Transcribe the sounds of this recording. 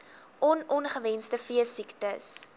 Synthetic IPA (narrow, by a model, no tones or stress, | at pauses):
ʔɔnɔnχəvɛnstəfiəsiktəs